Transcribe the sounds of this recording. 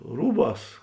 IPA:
ˈruːˌbɑːs

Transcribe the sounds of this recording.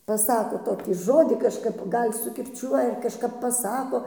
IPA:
pɐˈsɑːkoː ˈtoːkʲiː ˈʒoːdʲiː kɐʃˈkɐp ˈɡɐlʲ sʊkʲɪrʲˈt͡ʃʲuɔjɛ ɐr kɐʃˈkɐp pɐˈsɑːkoː

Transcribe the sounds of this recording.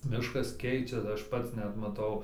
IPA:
ˈmʲɪʃkɐs ˈkʲɛɪt͡ʃʲɛs ˈɐʃ ˈpɐts ˈnʲɛt mɐˈtɐʊ

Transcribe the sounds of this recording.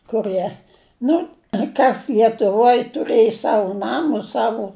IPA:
kʊˈrɨɛ ˈnʊ ˈkɐs lʲiɛtʊˈʋoːj tʊˈrɘj ˈsɑːʋʊ ˈnɑːmʊs ˈsɑːʋʊ

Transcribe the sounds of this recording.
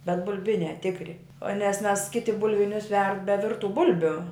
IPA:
bʲɛt bʊlʲˈbʲɪnʲæː ˈtʲɪkrʲɪ oː nʲɛs mʲɛs ˈkʲɪtʲɪ bʊlʲˈʋʲɪnʲʊs ʋʲɛrt bʲɛ ˈʋʲɪrtʊ ˈbʊlʲbʲʊ

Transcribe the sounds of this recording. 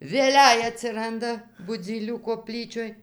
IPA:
ʋʲeːˈlʲɛɪ ɐtʲsʲɪˈrɐndɐ bʊˈd͡zʲiːlʲuː koːˈpʲlʲiːt͡ʃʲoːj

